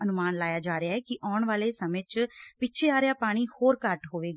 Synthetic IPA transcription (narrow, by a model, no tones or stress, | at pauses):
ənʊmaːnlaːjaːd͡ʒaːɾeaːɦɛːkɪʔaːʊɳ̃ʋaːleːsəmẽːt͡ʃpɪːt͡ʃʰeːaːɾejaːpaːɽ̃iːhoːɾkəʈɦoːʋeːɡaː